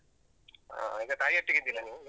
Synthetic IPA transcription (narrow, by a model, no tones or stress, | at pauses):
a̰iɡɐt̪aːjiɐʈːiɡid̪ilɐniu